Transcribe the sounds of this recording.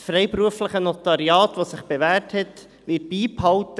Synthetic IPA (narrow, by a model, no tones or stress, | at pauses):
sfɾɛɪpɾuəfləχənotɑɾiɑːt̪ʋosɪχb̥eʋæːɾthɛt | ʋɪt̚b̥iːphɑltə